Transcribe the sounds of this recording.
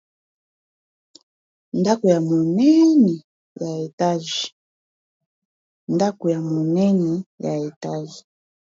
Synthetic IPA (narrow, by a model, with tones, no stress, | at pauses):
nda˦ku˨ja˨mu˨nɛ˦ni˨ | ja˨ɛ˨ta˦ʒi | nda˦ku˨ja˨mu˨nɛ˦ni˨ja˨i˨ta˦ʒi˨